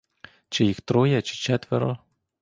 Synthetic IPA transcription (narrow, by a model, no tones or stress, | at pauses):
t͡ʃɪjixt̪ɾɔjɐt͡ʃɪ̥t͡ʃɛt̪ʋɛɾɔ